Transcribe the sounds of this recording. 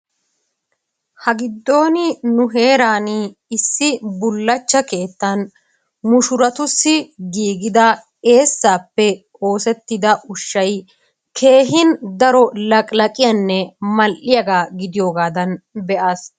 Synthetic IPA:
hɐɡɪd̪ːo̞ːnɪnʊɦe̞ːɾaːnɪɪsːɪbʊlːɐt͡ʃːɐke̞ːt̪ːɐn | mʊʃʊɾɐt̪ʊsːɪɡiːɡɪd̪ɐ | e̞ːsːaːpːɛ | o̞ːsɛt̪ːɪd̪ɐʔʊʃːɐj | kʰe̞ːɦɪnd̪ɐɾɔlɐkʼlɐkʼɪjɐnːɛmɐlʔɪjɐɡaːɡɪd̪ɪjo̞ːɡaːd̪ɐnbɛʔaːs

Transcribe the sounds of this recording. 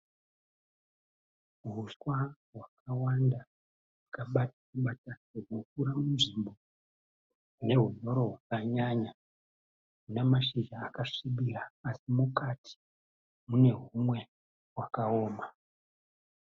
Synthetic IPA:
ɦuswa | ɦwakawanda | ɦakaɓatakuɓatauɡukuɾamunʐimbo̞ | une̞ɦuɲo̞ɾo̞ɦwakaɲaɲa | unamaʃiʒaːkaʂiɓiraːsimukatʰi̥ | mune̞ɦumwe̞ | wakao̞ːma

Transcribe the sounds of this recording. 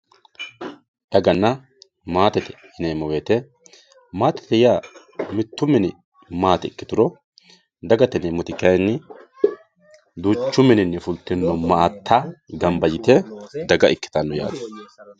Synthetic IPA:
d̪ɐɡɐnːɐ | maːt̪ɛt̪ɛ̥ɪneːmɔweːt̪ɛ | maːt̪ɛ̥t̪ɛjɪjaː | mɪt̪ːʊmɛnɛ | maːt̪ɛɪkːɪt̪ʊɾɔ | d̪ɐɡɐt̪ɛneːmʊt̪ɪkːɐjnːɛ | d̪uːt͡ʃːʊmɛnɪnːɛfʊlt̪ːɛnːɔmɐːt̪ʰːaɡɐmbɐjɪt̪ɛd̪ɐɡɐʔɪkːɪ̥t̪ɐnːɔja̰ːd̪ɐ

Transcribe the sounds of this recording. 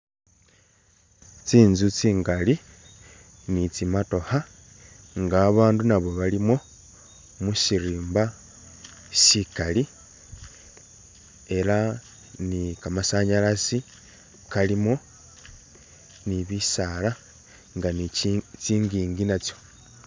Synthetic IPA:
t͡siːnzut͡siːŋɡali | nit͡simato̞ha | ŋɡaːβaːndunaβo̞βalimo̞ | musiɾiːmba | sikali | e̞ɾa | nikamasaɲalasi | kalimo̞ | niβisala | ŋɡanit͡siːŋɡiːŋɡinat͡sjo̞̥

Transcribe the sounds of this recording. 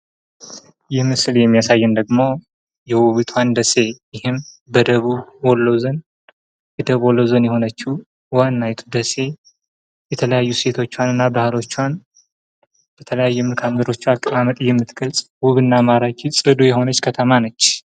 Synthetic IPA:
jɪhmɨsɨljɛmːijasajːɛnd̪əɡmo̞ | jɛwuβit̪ʰwand̪əse̞jɪhɨm | bəd̪əβuwɔlːəwzən | jɛd̪əβwɔlːəwzənjɛho̞nət͡ʃːu | wanːajt̪ʰu̥d̪əse̞ | jɛt̪ʰələjajːuse̞t̪ʰo̞t͡ʃːwanɨnːabahlo̞t͡ʃːwan | b̥ət̪ʰələjajːɛmɨlkʰamzəɾo̞t͡ʃːialkʼəmamət̪ʼjɛmːɨt̪ɡəlsʼwuβɨnːamaɾat͡ʃisʼɨd̪ujɛho̞nət͡ʃːkʰət̪ʰəmanət͡ʃː

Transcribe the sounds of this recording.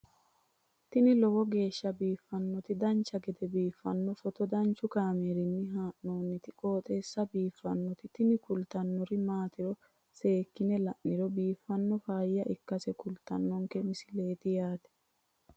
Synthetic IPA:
t̪ɪnɪlɔwɔɡe̞ːʃːɐbiːfːɐnːɔt̪ɪd̪ɐnt͡ʃːɐɡɛd̪ɛbiːfːɐnːɔfɔt̪ɔd̪ɐnt͡ʃːʊkaːmeɾɪnːɪɦaːʔnoːnːɪt̪ɪkʼo̞ːt̪ʼe̞ːsːɐbiːfːɐnːɔt̪ɪt̪ɪnɪkʊlt̪ɐnːɔɾɪmaːt̪ɪɾɔ | se̞ːkːɪnɛlɐʔːɪɾɔbiːfːɐnːɔfaːjːɐʔɪkːɐsɛkʊlt̪ɐ̰nːɔŋkɛmɪsɪle̞ːt̪ɪjaːt̪ɛ̥

